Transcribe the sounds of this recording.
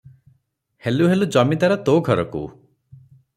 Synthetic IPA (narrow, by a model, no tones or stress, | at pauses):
heluɦelud͡ʒɔmit̪aɾɔt̪oɡʱɔɾɔ̰kṵ